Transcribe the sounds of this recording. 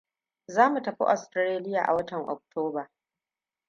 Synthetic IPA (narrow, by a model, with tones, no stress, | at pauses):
zaː˦mu˨tɐ˨ɸḭ˦ʔɔ˨stɾɾeː˦lɪ˦jaː˨ʔa̰˨wɐ˦tɐ˨ŋʔɔ̰˨k̚tʰoː˦baː˨